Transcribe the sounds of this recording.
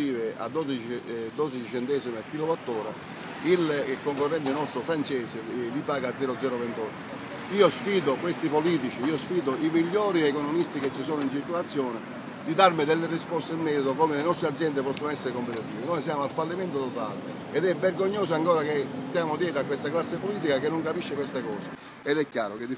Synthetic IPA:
iːvɪa̰d̪ːɔd̪it͡ʃid̪ɔd̪it͡ʃit͡ʃɛnt̪ɛsimeakːilobat̪ːɔːɾa̰ | ilkoŋkorːɛnt̪̬ɪnɔst̪ɾofɾant͡ʃɛːsɪlipaːɡad̪zɛːɾod̪zɛːɾovɛnt̪ɔt̪ː | iːosfiːd̪okwest̪ipoliːt̪it͡ʃiiːosfiːd̪oimiʎːɔːɾiɛkɔnɔmist̪iket͡ʃːisoːnoint͡ʃiɾkolat̪sːjɔːnɪ | d̪id̪aɾmɪd̪ɛlːerispɔst̪eimːɛːɾit̪okɔmelenɔst̪ɾead̪zjɛnd̪epɔsːonoɛsːeɾekompet̪it̪iːvinɔjs̬jaːmoalfalːiment̪ot̪ot̪a̰ːlḛ | ɛd̪ɛvːerɡoɲːoːs̬aŋkɔːɾakest̪jaːmod̪jɛːt̪ɾakwest̪aklasːepoliːt̪̬ikakenːʊŋkapiʃːekwest̪ekɔːse | ɛd̪ɛkːja̰ːɾoked̪i

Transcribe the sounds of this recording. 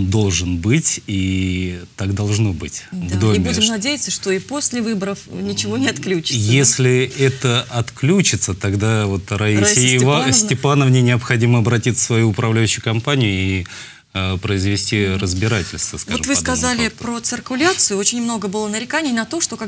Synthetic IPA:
d̪o̞lˠʐɨnbɨtʲi | t̪akd̪ɐlˠʐno̞bɨtʲvd̪oɪbudʲɪmnɐdʲejɪt̪səʂt̪o̞ipo̞sʲlʲɪvɨbəɾəfnʲɪt͡ɕɪvo̞nʲɪɐt̪klʲut͡ɕɪ̥sjesʲlʲɪɛt̪əɐt̪klʲut͡ɕɪt̪sət̪ɐɡd̪avo̞t̪ɾɐivasʲtʲɪpanəvnʲenʲɪɐpxɐdʲiməɐbɾɐtʲisʲsvɐjuʊpɾɐvlʲæjʏɕːʊjʊkɐmpanʲɪjʊi | pɾəɪzvʲɪsʲtʲiɾəzʲbʲɪɾatʲɪlʲst̪vəskvaoʐɨmvɨkɐzalʲɪpɾət̪sɨrkʊlʲat̪sɨjʊo̞t͡ɕɪnʲmno̞ɡəbɨlˠənəɾʲɪkanʲɪjnɐt̪o̞ʂt̪o̞ka

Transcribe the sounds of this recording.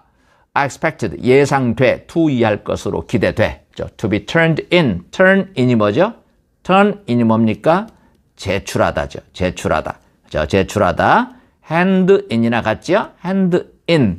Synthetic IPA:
aekspʰek̚tʰɯdjesʰaŋtwe̞tʰuiɦaɭk͈ʌ̰sʰɯɾo̰kide̞dwe̞ | d͡ʑo̰tʰubitʰʌɾndintʰʌɾniɲimʌd͡ʑo | tʰʌniɲimʌmɲik͈a | t͡ɕet͡ɕʰuɾɦa̰da̰d͡ʑot͡ɕet͡ɕʰuɾɦa̰da̰ | t͡ɕʌ̰t͡ɕet͡ɕʰuɾada | hendɯʔiɲinakat̚t͡ɕ͈iohendɯ | in

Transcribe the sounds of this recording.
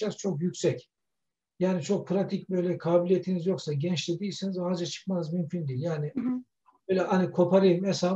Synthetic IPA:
az̥t͡ʃʰo̞kjycʲsɛc | jaːnit͡ʃʰo̞k̚pʰɾat̪ʰic̚bø̞jlʲɛkʰaːbilʲijet̪ʰinizjo̞ksaɟɛnt͡ʃlʲed̪iːsinizhaːd͡ʒat͡ʃʰɯ̥kmanɯzmymcʰʲynd̪iːlʲjaːni | bøjlʲɛhanikʰo̞pʰaɾɯjɯmɛsa

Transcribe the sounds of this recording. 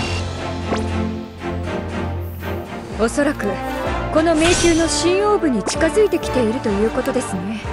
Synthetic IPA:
o̞so̞ɾakɯ̟ko̞no̞me̞ːkʲɨːno̞ɕĩɰ̃jo̞ːbɯ̟ɲ̟it͡ɕi̥kazɨit̪e̞kʲi̥t̪e̞iɾɯ̟t̪o̞jɯ̟ːko̞t̪o̞d̪e̞sɨne̞

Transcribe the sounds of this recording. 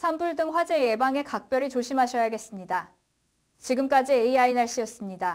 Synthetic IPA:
sʰambuɭdɯŋɸwad͡ʑe̞je̞baŋe̞kak̚p͈jʌɾit͡ɕoɕʰimɦaɕʰʌjaɡe̞s͈ɯmɲida | t͡ɕiɡɯmk͈ad͡ʑieiainaɭɕ͈iʌs͈ɯmɲida

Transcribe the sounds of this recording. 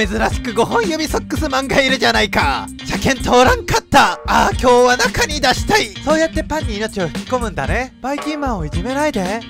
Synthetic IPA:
me̞zɨɾaɕi̥kɯ̟ɡo̞ɦõ̞j̃jɯbʲiso̞kːɯsɨmãŋɡaiɾɯ̟ʑanaika | ɕakẽ̞nt̪o̞ːɾãŋkat̪ːaaːkʲo̞ːβanakaɲ̟id̪aɕi̥t̪aiso̞ːjat̪ːe̞pãɲ̟ʲːiːno̞t͡ɕio̞ç̥ɯ̥kʲi̥ko̞mɯ̟̃nd̪a̰ne̞b̥aikʲĩmmãɰ̃o̞iʑime̞naid̪e

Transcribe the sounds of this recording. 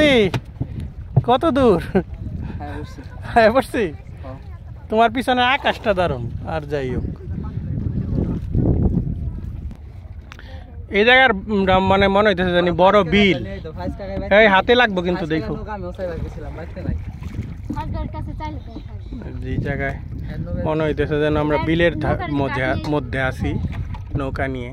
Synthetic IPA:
i | kɔt̪od̪uɾ | ajboɾsi | t̪umaɾp̬it͡ɕʰɔneakaʃʈad̪aɾuna̰ɾd͡ʒajo̰k | ejd͡ʑaɡaɾɾammːanemɔnoɦijt̪esʰed͡ʑanibɔɾobil | ejɦat̪elaɡ̚bok̬int̪ud̪ekʰo | d͡ʑed͡ʑaɡaemɔnoijt̪esʰed͡ʑanoamɾabileɾd̪ʱamod̪ʱːeamod̪ʱːeasʰi | nowkanije

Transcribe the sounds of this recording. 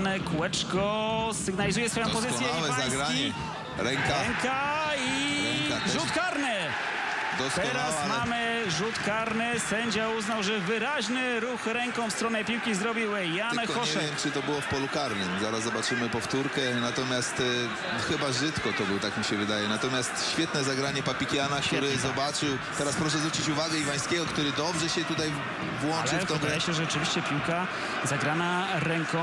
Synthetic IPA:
nɛkwɛt͡ʂkɔsɘɡnalʲizujɛsfɔjɔ̃pɔzɪt̪sjɛawɛazɡɾaɲɛ | ɾɛŋaɾɛŋkai | ʒut̪kaɾnɪ | d̪ɔst̪ɛɾasmamɘʐut̪kaɾnɘsɛɲd͡ʑauznawʐɛvɘɾaʑnɘɾuxɾɛŋkɔ̃w̃fst̪ɾɔnɛpʲiwkʲizɾɔbʲiw | janxɔʂɛvjɛmt͡ʂɨt̪ɔbɘwɔfpɔlukaɾnɪmzaɾazzɔbat͡ʂɘmɘpɔft̪uɾkɛnat̪ɔmʲjast̪ | xɘbaʐɘt̪kɔt̪ɔbɘwɔt̪akmʲiɕɛvɘd̪ajɛnat̪ɔmʲjast̪ɕfʲjɛt̪nɛzaɡɾaɲɛpapʲikʲjanakt̪uɾɛzɔbat͡ʂɘw | t̪ɛɾaspɾɔʂɛzvɾut͡ɕit͡ɕuvaɡɛivaj̃skʲɛɡɔkt̪uɾɘd̪ɔbʐɛɕɛt̪ut̪aj | vwɔnlt͡ʂɨft̪ɔd̪ajɛɕɛʐɛɔt͡ʂɨvʲiɕt͡ɕɛpʲiwka | zaɡɾanaɾɛŋkɔ̃

